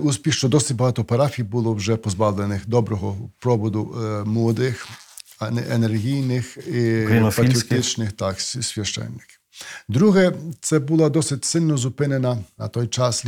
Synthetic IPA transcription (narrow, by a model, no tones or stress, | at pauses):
uspʲixʃt͡ʃɔd̪ɔsɪtʲbɐɦɑt̪ɔpɐɾɑfʲijbulˠɔwʒɛpɔzbɑwlˠenɪxd̪ɔbɾɔɦɔpɾɔbɔd̪ʊmlˠɔd̪ɪxɐnɛʔenerɦʲijnɪxik̪fpɐt̪ɾiɔt̪ɪt͡ʃnɪxt̪ɑksʲʋʲjɐʃt͡ʃɛ̰nːɪ̥kɪwd̪ɾuɦɛt̪sɛbulˠɐd̪ɔsɪtʲsɪlʲnɔzʊpɪnenɐnɐ̰t̪ɔjt͡ʃɑs